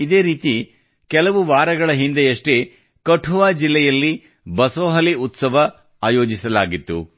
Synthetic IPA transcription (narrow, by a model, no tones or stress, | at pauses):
id̪eːɾiːt̪i | kɛlɐʋuʋaːɾɐɡɐɭɐɦind̪ejɐʂʈe | kɐʈʰuʋaːd͡ʒilːɛjɐlːi | bɐsoːɦɐliut̪sɐʋɐ | aːjoːd͡ʒisɐlaːɡit̪ːṵ